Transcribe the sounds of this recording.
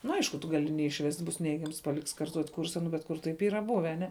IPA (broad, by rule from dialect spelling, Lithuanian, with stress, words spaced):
nʊ ˈɐɪʃkʊ tʊ ˈɡɑːlʲɪ nʲɛɪʃʲˈʋʲɛsʲtʲ bʊs ˈnʲɛɪɡʲɛms pɐˈlʲɪks kɐrˈtuɔtʲ ˈkʊrsɐ ˈnʊ bʲɛt ˈkʊr tɐɪp ˈiːrɐ ˈbʊʋʲɛ ɐˈnʲɛ